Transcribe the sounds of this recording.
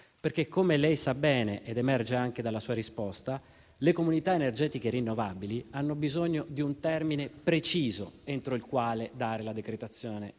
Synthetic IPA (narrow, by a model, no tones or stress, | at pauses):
perkekʰːomelɛjsabɛːneʔed̪emɛrd͡ʒeaŋk̟ed̪alːasuːaɾispɔst̪a | lekomunit̪aenerd͡ʒɛːt̪ikerinːovabilianːobizoɲːod̪iunt̪ɛrminepɾet͡ʃiːzoent̪ɾoilkwaːled̪aːɾelad̪ekɾet̪at̪sːjoːne